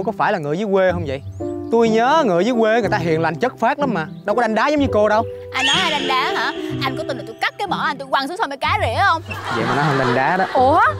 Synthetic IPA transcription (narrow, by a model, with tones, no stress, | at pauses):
jkɔ˨˦faː˧˩jlaː˨˩ŋɨ˨zɨː˨˦jkwe˧hə˧wŋ͡mvə̰˧˨jt̪u˧jɲəː˨˦ŋɨ̰˨˧˩əjzɨː˨˦jkwe˧˦ŋ˨˩jt̪aː˧ɦḭ˧˨ənla̰˧˩jŋ̟t͡ɕə˦˥t̚faː˦˥k̚la˨˦maː˨˩ɗə˧wkɔ˨˦ɗa˧ŋ̟ɗaː˨˦zə˨˦wŋ͡mɲɨ˧ko˧ɗə˧wʔa˧jnːɔ˨˦haː˧jɗa˧jŋ̟ɗaː˨˦ɦaː˧˩ʔa˧jŋkɔ˧˦t̪u˨˧˩ɨ˨˩t̪u˧˩jka˦˥k̚kːaː˨˦jmɔ˧˩ʔa˧jnt̪u˧jkwaː˨˩ŋsu˨˦ŋsa˧mə˧˨˩kaː˨˦zḭ˧˨˦hə˧wŋ͡mvə̰˧˨maː˨˩nɔ˨˦ɦəː˧nɗa˧jŋ̟ɗaː˨˦ɗɔ˨˦ʔu˧˩